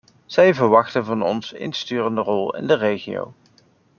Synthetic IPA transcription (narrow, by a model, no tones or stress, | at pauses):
z̥ɛjvəɹʋɑχtənvɑnɔnsɪ̰nstyːrəndərɔlˠɪ̰ndərejχḭo̰w